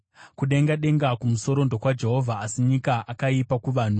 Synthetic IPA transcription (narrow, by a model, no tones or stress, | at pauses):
kuɗe̞ŋɡaɗe̞ŋɡakumuso̞ɾo̞ndo̞kwad͡ʒe̞ɦo̞vʱaːsiɲikaʔakaipakuʋaːn̤u